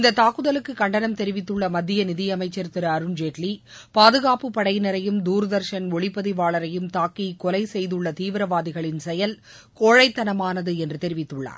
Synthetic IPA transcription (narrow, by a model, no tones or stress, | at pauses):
ɪnd̪ɐt̪ːaːkːɯðɐlɯkːɯkːɐɳɖɐnɐmt̪ɛɾɪʋɪt̪ːɯɭːɐmɐd̪ːɪjɐnɪðɪjɐmɐɪt͡ʃːɐɾt̪ɪɾɐɾɯnd͡ʒeːʈli | paːðɯɣaːpɯpːɐɽɐɪnɐɾɐjɯmd̪uːɾɯðɐɾʂɐnɔɭɪpːɐðiʋaːɭɐɾɐjɯmt̪aːkːikɔlɐɪsɛjðɯɭːɐt̪iːʋɪɾɐʋaːðɪɣɐɭɪnsɛjɐl | koːɻɐɪt̪ːɐnɐmaːnɐðɯɛndrɯt̪ɛɾɪʋɪt̪ːɯɭːa̰ːɾ